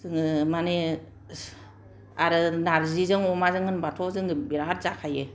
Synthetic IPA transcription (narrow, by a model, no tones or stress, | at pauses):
zɯŋɯmane | aɾɯnaɾzizɯŋɔmazɯŋɯnbatʰɔzɯŋɯbiɾaɦat̚zakʰaje